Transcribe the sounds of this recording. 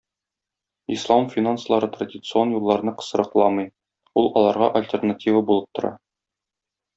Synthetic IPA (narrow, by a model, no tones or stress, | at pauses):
islˠɑmfʲinanslˠɑɾɤt̪radʲɪt̪sɨo̞njulˠːɑɾɤnɤqɤ̥̆sɤ̆ɾɤ̆qlˠɑmɤj | ulˠɒlˠɑɾʁɑʔɐlʲtʲernatʲivəbulˠɤp̚t̪ŏɾɑ̰